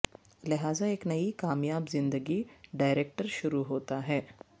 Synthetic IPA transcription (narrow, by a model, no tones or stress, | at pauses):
lɪɦaːzaeːknɐikaːmjaːbzɪ̃nd̪əɡiɖaːɪɾeːk̚ʈəɾʃʊɾuɦoːt̪aɦɛː